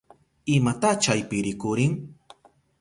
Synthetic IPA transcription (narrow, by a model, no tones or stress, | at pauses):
ɪmat̪at͡ʃajpɪɾɪkʊɾɪŋ